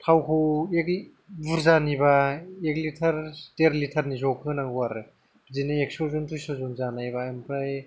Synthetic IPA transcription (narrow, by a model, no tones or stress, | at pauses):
tʰawkʰoek | buɾzanibaek̚litʰɐɾteɾlitʰɐɾnizɔkʰɯnaɡuwaɾɯ | zinɯeksɔzuntɾisozunzanajbaempɾaj